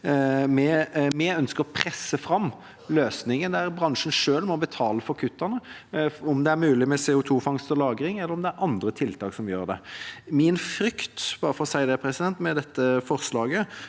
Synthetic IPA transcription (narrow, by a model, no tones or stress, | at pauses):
mɛmɛœnskəɾɔpʰɾɛsːəfɾɑm | løːsnɪŋənd̪æɾbɾɑŋʂənʂøːlmɔbət̪ʰɑːləfɔkʰʉt̪ːənəɔmd̪ɛæɾmʉːlɪmɛsɛːʊt̪ʰuːfɑŋst̪əlɑːɡɾɪŋɛlːəɾɔmd̪ɛæɾʔɑnd̪ɾət̪ʰɪlt̪ʰɑːksɔmjøːʁd̪ɛ̰mɪnfɾʏkt̪b̥ɑːɾəfɔɾɔsæɪd̪ɛpʰɾɛsɪd̪ɛnt̪mɛd̪ɛt̪ːəfɔʁslɑːɡə